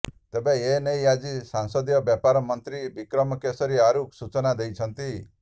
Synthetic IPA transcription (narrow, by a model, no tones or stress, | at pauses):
t̪ebeenejad͡ʒisaŋsɔd̪jɔbjapaɾɔmɔnt̪ɾibikɾɔmɔkesɔɾiaɾuksut͡ʃɔnad̪ejt͡ʃʰɔnt̪i